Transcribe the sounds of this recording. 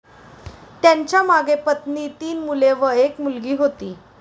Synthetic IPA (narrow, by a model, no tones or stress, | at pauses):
t̪jãɲt͡ɕjamaɡʱepət̪nit̪iːnmuleʋəekmulɡiːɦot̪iː